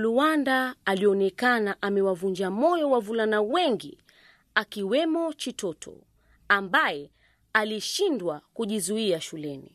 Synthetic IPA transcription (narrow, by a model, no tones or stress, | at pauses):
luwandaːliɔnɛkanaʔamɛwavuɲd͡ʒamɔjɔwavulanawɛŋɡi | akiwɛmɔt͡ʃitɔtʰɔ̰ | ambajɛ | aliʃindwakuʄizuiaʃulɛnḭ